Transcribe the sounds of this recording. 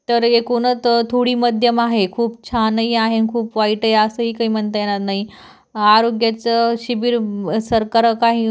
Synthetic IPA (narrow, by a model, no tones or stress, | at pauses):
t̪əɾekonət͡st̪ʰoɽiːməd̪ʱjəmaɦekʰuːp̚t͡ɕʰanəiaɦenkʰuːpʋaiʈəjasəɦiːkaɦiːm̤əɳt̪əjenat̪naɦi | aɾoɡjat͡səɕibiːɾsəɾkaɾəkaɦĩː